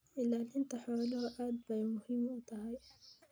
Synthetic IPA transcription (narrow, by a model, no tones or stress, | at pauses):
ʔɪlːalʔɪnt̪aħawaluhaʔaːd̪̚bajmʊhimːʊt̪ahaj